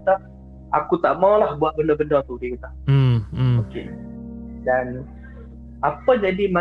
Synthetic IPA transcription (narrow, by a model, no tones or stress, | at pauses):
t̪a | akut̪aʔmawlahbuaʔ̪̚bəndəbəndət̪udikit̪a | oke | dan | apad͡ʒadima